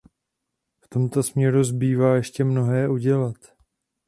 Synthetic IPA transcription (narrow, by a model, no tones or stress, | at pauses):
ft̪o̞mt̪o̞smɲɛɾuzbiːvaːjɛʃcɛmno̞ɦɛːʔuɟɛlat̪